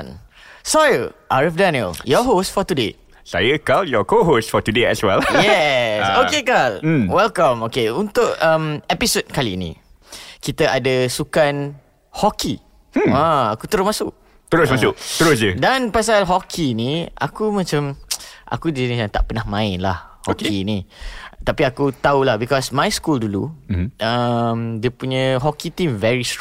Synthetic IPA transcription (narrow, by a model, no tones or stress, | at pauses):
n | sajəʔaɹafdaniə̰ljɔɦostfɔt̪udḛ | sa̰jəkɔljɔkoɦostfɔt̪udeɛswɛ̰ljɛsokekalwɛlkãmokeunt̪ʊkəmɛpisod̚kalinḭ̃ | kit̪əʔadəsukan | hɔki | aakut̪əɾʊsmãsʊʔ | t̪əɾʊsmasʊʔt̪əɾʊs̬d͡ʒədanpasalɦɔkʰiːnia̰kumãt͡ʃamʔa̰kudiniãnt̪a̰ʔpənahmãɪnlahhɔkinit̪apiakut̪aulahbikɔsmãjskulduluəmdiəpuɲə̃ɦɔkit̪imvɛɹist